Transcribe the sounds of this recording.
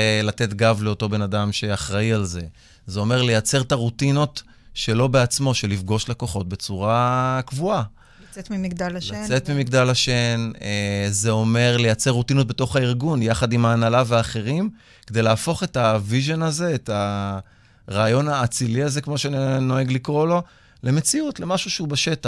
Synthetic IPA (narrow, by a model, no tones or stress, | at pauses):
late̞tɡavle̞oto̞be̞nadamʃe̞aχʁaialze̞ | zeo̞me̞ʁle̞jat͡se̞ʁtaʁutino̞t | ʃe̞lo̞be̞at͡smo̞ʃe̞lifɡo̞ʃlako̞χo̞t̚be̞t͡suʁakvua | t̪mimiɡd̪alalat͡setmimiɡd̪alaʃe̞neze̞o̞me̞ʁle̞jat͡seʁːut̪inot̚beto̞χaiʁɡunjaχadimaːnalaveaːχe̞ʁim | ked̪ejlaːfo̞χe̞taviʒo̞naze̞ːta | ʁaːjo̞naːt͡siliaze̞kmo̞ʃeno̞eɡlikʁo̞lo̞ | le̞me̞t͡siutle̞maʃuʃeubeʃe̞t̪a